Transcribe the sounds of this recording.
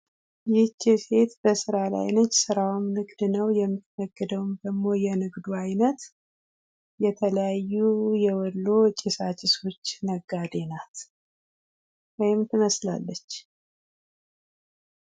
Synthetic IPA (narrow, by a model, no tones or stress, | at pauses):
jɪt͡ʃːɪse̞t̪bəsɨɾala̰jnot͡ʃːsɨɾawmnɨɡd̪nəwjɛmːɨt̪fəɡːəd̪əwmd̪əɡmo̞jɛnɨɡd̪uajnət̪ | jɛt̪ʰələjajːujɛwɔlːot͡ʃʼɪsat͡ʃʼɪso̞t͡ʃːnəɡːad̪e̞nat̪ | wɔjɪmt̪ʰɨməsla̰lːət͡ʃː